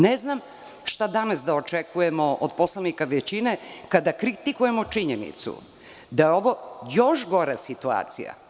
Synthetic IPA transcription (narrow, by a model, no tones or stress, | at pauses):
neznam | ʃt̪ad̪anasd̪aot͡ʃekujemoʔod̪̚po̞slˠanikaʋet͡ɕine̞kad̪akɾit̪ikuje̞mot͡ʂiɲenḭt̪sṵ | d̪ajeo̞ʋo̞jo̞ʃɡo̞ɾasit̪ua̰ːt̪sḭja̰